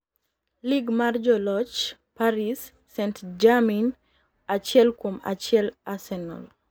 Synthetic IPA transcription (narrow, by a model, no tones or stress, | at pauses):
liɡmard͡ʒɔlɔt͡ʃpaɾisː | ɛntd͡ʒamin | at͡ʃjɛlkwoma̰t͡ʃɪɛlasɛnɔ̰l